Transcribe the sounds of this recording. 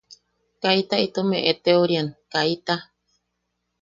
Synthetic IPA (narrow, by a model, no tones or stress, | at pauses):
kait̪ait̪omeʔet̪eoɾiankait̪a